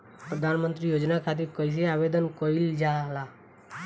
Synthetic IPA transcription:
pɾəd̪ʱanmənt̪ɾijoːd͡ʒnakʰat̪̬iɾkɔis̬eaʋed̪ənkɔild͡ʒala

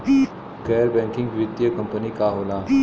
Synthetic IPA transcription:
kɛːɾbɛ̃ŋkɪ̃ŋɡʋid̪jəkə̃mpənikaɦolaː

